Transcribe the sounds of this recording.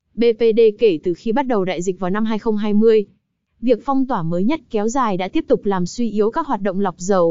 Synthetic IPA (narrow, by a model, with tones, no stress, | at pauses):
ɓe˧pe˧ɗe˧ke˧˩t̪ɨ˨˩xi˧ɓa˦˥t̚ɗə˨˩wɗa̰ː˧˨jzï˨˩k̟̚vaː˨˩na˧mɦaː˧jxə˧wŋ͡mɦaː˧jmɨ˧əj | vi˨˩ək̚fa˧wŋ͡mt̪waː˧˩məː˨˦jɲə˦˥t̚kɛ˨˦wzaː˨˩jɗa̰ː˧˥t̪i˦˥əp̚t̪ʊ˨˩k͡p̚laː˨˩mswi˧ʔi˨˦əwkaː˦˥k̚ɦwaː˨˩t̚ɗə̰˧˨ŋ͡mla˨˩wk͡p̚zə˨˩w